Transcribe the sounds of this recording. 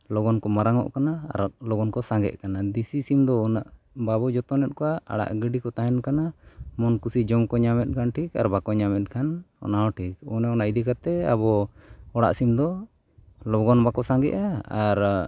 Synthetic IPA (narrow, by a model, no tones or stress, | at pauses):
lɔɡɔnkɔmaɾaŋɔ̰ʔkanaa̰ɾlɔɡɔnkɔsaŋɡɛ̰ʔkanad̪isisimd̪ɔɔnaʔ | babɔd͡ʒɔt̪ɔnɛt̪̚kɔwaa̰ɽa̰ʔɡəɖikɔt̪ajɛnkanamɔnkusid͡ʒɔmkɔɲamɛt̪̚ˀkʰanʈʰika̰ɾbakɔɲamɛt̪̚ˀkʰanɔ̰naɔʈʰikɔnɛɔnaʔid̪ikat̪ɛa̰βɔɔɽa̰ʔsimd̪ɔ | lɔɡɔnbakɔsaŋɡɛ̰ʔaaɾ